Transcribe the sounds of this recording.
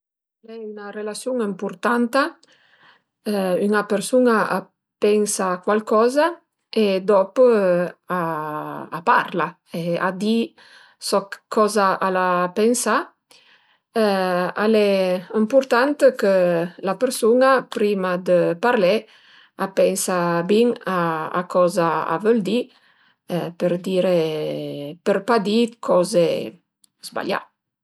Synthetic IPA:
alɛynarelasjuŋəmpuɾt̪ant̪a | yŋapəɾsunaa | pɛnsakwalkɔza | ed̪ɔp | a̰ː | pa̰ɾla | ea̰d̪i | sɔkkʰːɔzaʔalapensa | alɛəmpuɾt̪ant̪əkəlapəɾsunapɾimad̪əpaɾlɛ | apɛnsabiŋaa̰kʰɔzaa̰vəld̪i | pəɾd̪iɾe | pəɾpad̪ikʰɔze | zba̰ʎa̰

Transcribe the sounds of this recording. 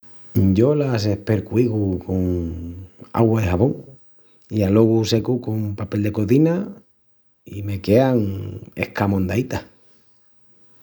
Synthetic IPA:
ɟ͡ʝo̞las̬e̞hpe̞ɾkwiɣuko̞ŋ | a̰ɣwaðehaβo̞ŋ | ialo̞ɣuse̞kuko̞mpape̞ld̪e̞ko̞ðina | ime̞ke̞aŋe̞̰hkamõ̞nd̪ait̪a

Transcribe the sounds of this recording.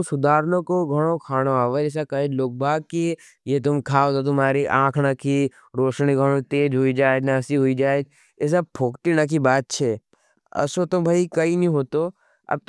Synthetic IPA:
sʊd̪ʱaːɾnõkoɡʱɐɽ̃okʰaːɽ̃oaːʋəɛːs̬akɐed͡ʒloːk̚bʱaːɡ̚ki | jet̪ʊmkʰaːot̪ot̪̬ʊmaːɾiʔãːkʰnaki | ɾoːʃñiɡʱəɽ̃õt̪eːd͡ʒɦuid͡ʒaːed͡ʒnasiɦʊid͡ʒaːed͡ʒ | es̬ɐb̚pʰoːkʈinak̬ibaːt̪̚t͡ʃʰe | ɐ̰sot̪ʊmbʱaːikɐinĩɦoːt̪o | ɐ̰b̚t̪

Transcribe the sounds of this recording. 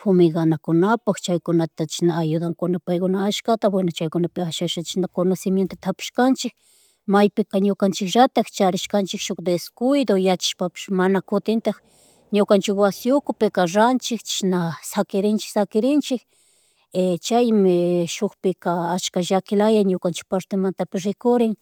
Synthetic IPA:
fʊmɪɡanakʊnapakt͡ʃajkʊnat̪at͡ʃɪ̥naːjʊd̪aŋkʊnapajkʊnaːʃkat̪abwenat͡ʃajkʊnapɪaʃaʃat͡ʃɪ̥ʃnakʊnasɪmjent̪at̪ʰapɪ̥ʃkant͡ʃɪk̚ | majpɪkaɲʊkant͡ʃɪkʒat̪akt͡ʃaɾɪʃkant͡ʃɪkʃokd̪eskʊjd̪ojat͡ʃḁʃpapɪ̥ʃmanakʊt̪ɪnt̪ax | ɲʊkant͡ʃɪkwasɪʊkʊpɪkaɾant͡ʃɪkt͡ʃɪ̥ʃnasakɪɾɪnt͡ʃɪ̥ksakɪɾɪnt͡ʃɪk | et͡ʃajmɪʃoxpɪkaat͡ʃkaʒakɪlajajɲʊkant͡ʃɪ̥k̚paɾt̪emant̪apɪsɾɪkʊɾɪŋ

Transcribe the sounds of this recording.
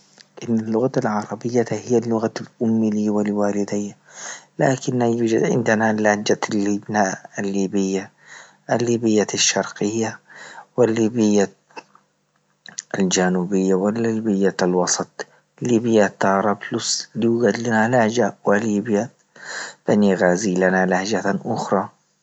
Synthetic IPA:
ʔɪnːalːʊɣaalʕɑɾˤɑbɪjːahijːalːʊɣalʔʊmːiliwalwaːlɪd̪ɪjːalaːkɪnːhajuːd͡ʒa̰d̪ʕɪ̰nd̪analad͡ʒalːiːbnaalːiːbɪjːa | ʔalːiːbɪjːaaʃːɑɾˤqɪjːawɪlːiːbɪjːa | ʔald͡ʒanuːbɪjːawɪlːiːbɪjːalwɑsˤɑt̪ˤ | liːbijat̪ːɑɾˤɑbluslijuːɡad̪lanalahd͡ʒawaliːbja | b̥aniɣaːziːlanalahd͡ʒaʔʊxɾˤɑ

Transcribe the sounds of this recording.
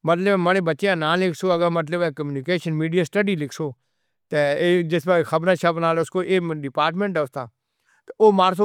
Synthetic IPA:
mət̪ləbɛ̃ːmənẽːbətːt͡ʃejãːnãːlɪkʰsoːəɡəɾmət̪̬ləbɛːkəmjuːnɪkeːʃənmiːɖɪjaːsʈəɖiːlɪkʰsoː | t̪eːeːd͡ʒɪsbaxəbɾãːt͡ʃʰapnaːleʊskoːʔeːɖɪpaːɾʈmẽːɳʈɛʊst̪ʰaː | t̪eoːmaːɾs̬o

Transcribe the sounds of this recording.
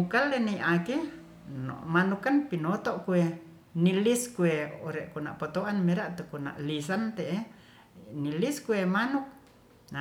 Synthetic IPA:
mukaleniʔake | no̰ʔmanukanpinot̪oʔkue | niliskueoɾeʔkuna̰ʔpot̪oʔanmeɾaʔt̪ukuna̰ʔlis̬ant̪eʔe | niliskuemanuk̚ | na

